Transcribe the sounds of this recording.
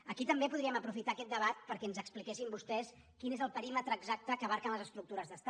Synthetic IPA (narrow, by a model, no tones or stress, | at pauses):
əkit̪əmbepuð̞ɾiəməpɾufit̪aːkɛt̪̚d̪əβat̪̚pəɾkɛənzəksplikɛsimbust̪ɛs | kinezəlˠpəɾimət̪ɾəːɡzak̚t̪əkəβaɾkənləzəst̪ɾuk̚t̪uɾəzðəst̪a